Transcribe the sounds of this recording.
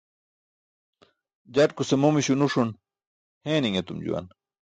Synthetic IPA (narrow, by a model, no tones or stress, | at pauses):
d͡ʑaʈkusemomiɕunuʂun | heːniŋet̪umd͡ʑṵwa̰n